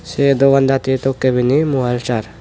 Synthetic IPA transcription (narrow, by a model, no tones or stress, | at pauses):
sed̪oʋɐnd̪at̪it̪okːebinimuɦəlt͡ʃaɾ